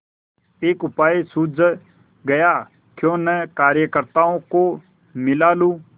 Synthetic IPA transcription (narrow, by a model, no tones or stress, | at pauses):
eːkʊpaːesʊd͡z | ɡɐjaː | kjõːnəkaːɾjəkəɾt̪aːõko | mɪlaːluː